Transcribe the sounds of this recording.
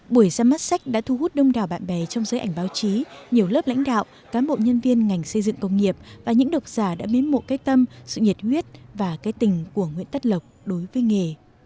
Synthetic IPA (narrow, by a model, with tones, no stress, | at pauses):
ɓu˧˩əjzaː˧maː˦˥t̚sa˦˥k̟̚ɗa̰ː˧˥t̪ʰu˧hu˦˥t̚ɗə˧wŋ͡mɗaː˨˩wɓa̰ː˧˨nɓɛ˨˩t͡ɕɔ˧wŋ͡mzəː˨˦jʔa˧˩jŋ̟ɓaː˨˦wt͡ɕi˨˦ɲi˨˩əwləː˦˥pla̰˧˥jŋ̟ɗa̰ː˧˨wʔ | kaː˨˦mɓo̰˧˨ɲə˧nvi˧ənŋa˨˩jŋ̟sə˧jzɨ̰˧˨ŋkə˧wŋ͡mŋi˨˩əp̚vaː˨˩ɲɨ̰˧˥ŋɗə˨˩wk͡p̚z̥aː˧˩ɗa̰ː˧˥mi˨˦nmo̰˨˧˨kaː˦j̚t̪ə˧msɨ̰˧˨ɲi˨˩t̚hwi˦˥ət̚vaː˨˩kaː˨˦jt̪ï˨˩ŋ̟ku˧˩əŋwḭ˧˨ənt̪ə˦˥t̚lə˨˩wk͡p̚ɗo˨˦jvəː˨˦jŋe˨˩